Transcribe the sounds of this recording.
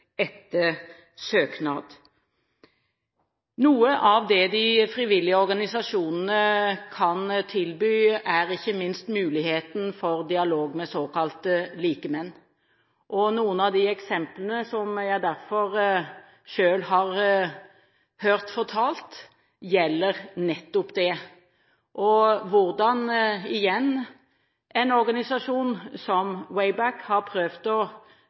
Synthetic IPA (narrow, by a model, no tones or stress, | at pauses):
ɛt̪ːə | søːknɑːd̪ | nuːəʔɑʋd̪ɛd̪ɪfɾɪʋɪlːɪəɔɾɡɑnɪsɑʂuːnənəkʰɑnt̪ʰɪlbyːæɾɪçːəmɪnst̪mʉːlɪheːt̪n̩fɔɾd̪ɪɑloːɡmɛsoːkɑlt̪əliːkəmɛnː | ʔɔnuːənɑʋd̪ɪɛksɛmplənəsɔmjæɪd̪æɾfɔɾ | ʃøːlhɑɾ | høːɾt̪fɔʁt̪ʰɑːlt̪ | jɛlːəʁnɛt̪ːʊpd̪ɛ | ʔɔʋʊɾd̪ɑnɪjɛnː | ʔɛɪnɔɾɡɑnɪsɑʂuːnsɔmwɛɪbækhɑɾpʰɾøːʋd̪ɔ